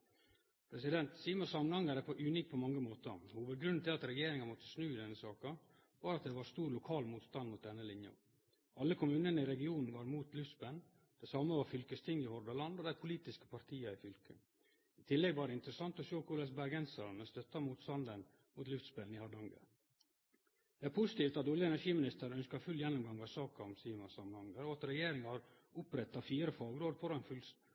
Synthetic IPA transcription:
pʰɾɛsɪd̪ɛnt̪siːməsɑmənɑŋɡəɾɛpʰɔʔʉniːk̚pʰɔmɑŋːəmoːt̪əhuːʋəd̪̚ɡɾʉnt̪ʰɪlɑt̪ɾɛjeːɾɪŋɑmɔt̪ːə̥snʉːɪd̪ɛnːəsɑːkɑ | ʋɑːɾɑt̪̚d̪ɛʋɑɾst̪uːɾlʊkʰɑːlmuːt̪st̪ɑnmʊt̪̚d̪ɛnːəlɪnjɑ̰ | ɑlːəkʰʊmʉːnənəɪɾɛɡɪuːnn̩ʋɑɾmuːt̪lʉft̪sbɛln | d̪̥ɛsɑməʋɑɾfʏlkəst̪ʰɪŋːɪhɔɾd̪ɑlɑnd̪oːd̪æɪpʰʊliːt̪ɪskə̥pʰɑɾt̪ʰiːɑɪfʏlkə | ɪt̪ʰɪlːɛɡʋɑːɾəɪnt̪ɾəsɑnt̪ɔsoːkʰʊlɛsbæɾɡɛnsəlɑnəst̪œt̪ːɑmuːt̪st̪ɑnd̪ən | mʊːt̪lʉft̪spɛːln̩ɪhɑd̪ɑŋɡə̰ | d̪̥ɛæːɾpʰʊsɪ̥t̪iːft̪ɑt̪ɔljəɛnæʂiːmɪnɪst̪əɾœnskɑfʉljɛnːʊmɡɑŋʋɑsɑːkɑɔmsiːmɑsɑmənhɑŋɡ̪əɾɔɑt̪ɾɛjeːɾɪŋɑhɑɾ | ʊpɾɛt̪ːɑfiːɾəfɑːɡɾoːd̪fɔɾɛnfʉl

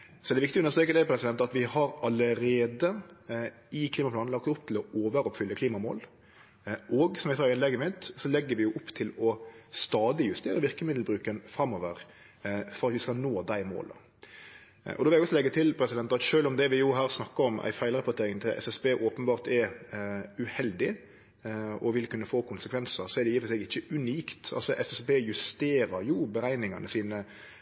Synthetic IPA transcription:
sɔɛd̪ɛʋɪkt̪ɪjɔnəst̪ɾeːkəd̪æɪpʰɾɛsɪd̪ɛnt̪ɑt̪ʋɪhɑɾɑləɾeːd̪ə | ɪkʰliːmɑplɑːn̩ɑk̚t̪ʊp̚ːt̪ʰɪlɔoːʋəɾɔpfʏlːəkʰliːmɑmo̰ːl | ʔɔɡsɔmjæɡsɑːɾɪnlɛɡːəmɪt̪sɔlɛɡːəʋɪjʊʔʊpːt̪ʰɪlɔst̪ɑːd̪ɪjʉst̪eːɾəʋɪʁkəmɪd̪l̩bɾʉːkənfɾɑmːɔʋəɾ | fɔɾɑt̪ʋɪskɑnoːd̪æɪmo̰ːlə̰ | ʔɔd̪ɔʋlæɡɔsɔlɛɡːət̪ʰɪlpʰɾɛsɪd̪ɛnt̪ɑɑt̪ʃøːlɔmd̪ɛʋɪjʊɦæːɾsnɑkːəɔmʔæ̰ɪfæɪlɾɑpʊt̪ʰeːɾɪŋt̪ʰɪlʔɛ̰sɛsbeːʔoːpənbɑːʁt̪ɛɾ | ʉhɛld̪ɪ | ɔʋɪlkʉnːəfoːkʰʊnsəkʰʋɛnsəɾsɔɛɾd̪ɛjɪːflsɛɡɪçːəʉniːkt̪ɑ̰lsɔʔɛsɛsbeːjʉst̪eːɾɑɾjʊbəɾæɪnɪŋɑnəsiːnə

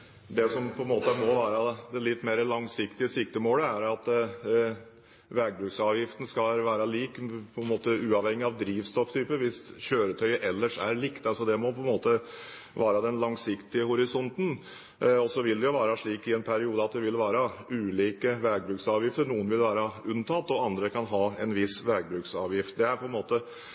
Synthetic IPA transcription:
d̪ɛsɔmpʰɔɛnmoːt̪əmɔʋæːɾɑd̪ɛlɪt̪ːmeːɾəlɑŋsɪkt̪ɪəsɪkt̪əmoːləæɾɑt̪ | ʋæɡ̚bɾʉːksɑːʋjɪft̪ən̩skɑlʋæːɾɑliːkpʰɔɛnmoːt̪əʉːɑʋhɛŋːɪɑʋd̪ɾiːʋst̪ɔft̪ʰyːpəʋɪsçøːɾət̪ʰœʏəʔɛlːəʂæ̰ɾɭikt̪ɑsɔd̪ɛmɔpʰɔɛnmoːt̪ə | ʋæːɾəd̪ɛnlɑŋsɪkt̪ɪəhʊɾɪsɔnt̪n̩ | ɔsɔʋɪld̪ɛjʊʋæːɾəʂɭiːkɪɛnpʰæɾɪuːd̪əɑt̪̚d̪ɛʋɪlʋæːɾəʉːliːkəʋæɡ̚bɾʉːksɑːʋjɪft̪əɾɳuːənʋɪlʋæːɾɑʉnt̪ʰɑt̪ːɔɑnd̪ɾəkʰɑnɦɑːɛnʋɪsʋæɡ̚bɾʉːksɑːʋjɪft̪̚d̪ɛæɾpʰɔɛnmoːt̪ə

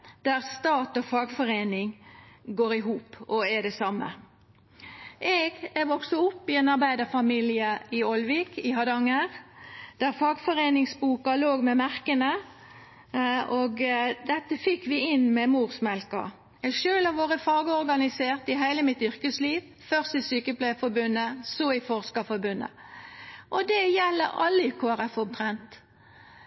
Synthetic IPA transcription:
d̪̥æʁst̪ɑːt̪ɔfɑːɡfɔʁeːnɪŋɡoːɾɪɦuːpɔæd̪ɛsɑmːə̰ | ʔɛɡɛʋɔksəʊpːɪɛnɑʁbæɪd̪əfɑmiːlɪəʔɪɔlʋɪkɪɦɑd̪ɑŋəʁd̪̥æʁfɑːɡfɔʁeːnɪŋsbuːkɑloːɡmɛmæʁkənə | oɡd̪ɛt̪ːəfɪkːʋɪɪnmɛmuːʁsmɛlkɑ̰ | ɛʃøːlɑʋoːʁəfɑːɡəɔɾɡɑnɪseːʁt̪ɪɦæɪləmɪt̪ʏʁkəsliːʋ | fœʁst̪ɪsyːkəpʰlæɪfɔɾbʉnːəsɔɪfɔʁskɑfɔɾbʉnːə̰ | ʔɔd̪ɛjɛlːə̰ɑ̰lːəɪkʰoːæʁɛfʊmt̪ʰʁɛnt̪

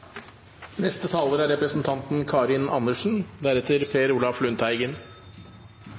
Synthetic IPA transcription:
nɛst̪ət̪ʰɑːləɾæɾɛpɾəsn̩t̪ʰɑnt̪n̩kʰɑːɾɪnʔɑnəʂn̩d̪æɾɛt̪ʰəɾpʰeːɾuːlɑflʉnt̪ʰæɪɡən

